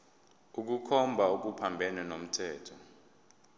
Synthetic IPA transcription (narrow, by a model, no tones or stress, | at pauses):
uk̬ukʰɔmbʱauk̬upʰambʱɛnɛnom̩tʰɛːtʰɔ